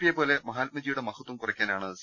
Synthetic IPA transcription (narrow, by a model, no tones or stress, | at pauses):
pijepo̞ːle̞mɐɦaːlmɐd͡ʑijuɽe̞mɐhɐt̪ːwɐmkurɐkʲːaːnaːɳɐs